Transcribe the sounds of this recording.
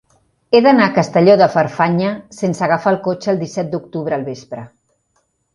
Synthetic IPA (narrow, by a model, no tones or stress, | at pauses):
eðənakəst̪əʎoðəfəɾfaɲəsensəɣafaːlˠkot͡ʃəːlˠd̪isɛt̪̚d̪uk̚t̪uβɾəːlˠβespɾə